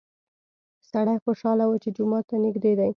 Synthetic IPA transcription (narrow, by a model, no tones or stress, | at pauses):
saɽajxoʃɑlawat͡ʃed͡ʒʊmɑt̪ːanɪɡd̪ed̪aj